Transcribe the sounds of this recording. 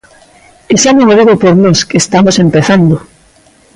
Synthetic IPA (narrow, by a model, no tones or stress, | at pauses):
eʃamomoðeɣopoɾnoskeːst̪amosempeθand̪ʊ